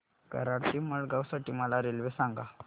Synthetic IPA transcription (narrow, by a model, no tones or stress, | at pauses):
kə̰ɾaɽt̪iməɭɡawsaʈiːməlaɾelʋesaŋɡa